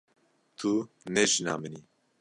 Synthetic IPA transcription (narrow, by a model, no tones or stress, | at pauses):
t̪ʰu | nɛʒinɑ̰ːmɨni